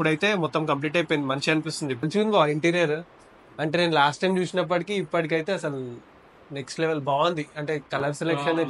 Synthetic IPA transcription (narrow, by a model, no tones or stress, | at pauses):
pːuɽɐjt̪e̞ːmɔt̪ːɐmkɐmp̬liːʈ̬ɐjpojind̪imɐnt͡ʃiɐnipist̪und̪iɐnt͡ʃuunbaiɳʈiːɾijɐɾ | ɐɳʈeːneːnlaːsʈɐjmd͡ʒʋiʂɐnɐp̬ːɐʈikiːpːɐʈik̬ɐjt̪e̞ːɐsɐlu | neksʈleʋelbaːʋɐnd̪iɐɳʈe̞ːkɐlɐɾselekʃɐnɐ